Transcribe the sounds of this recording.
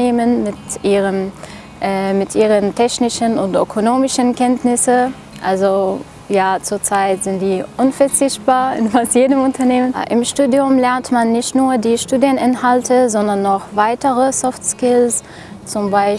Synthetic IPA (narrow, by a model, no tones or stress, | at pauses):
eːmənmɪtʔiːʁəm | ʔɛmɪtʔiːʁəntʰɛçnɪʃənʊntʔøkʰonoːmɪʃənkʰɛntnɪsə | ʔalzo | jaːt͡suːɐt͡saɪtz̥ɪntd̥iːʔʊnfɛɐt͡sɪçt̚b̥aːɐɪnfastjeːdəmʊntɐneːmənʔɪ̰mʃtuːdjʊmlɛɐntmanːɪçtnuːɐdiːʃtuːdiənʔɪnhaltʰəzɔndɐnːɔχvaɪtəʁəsɔftskɪls | t͡sʊmbaɪ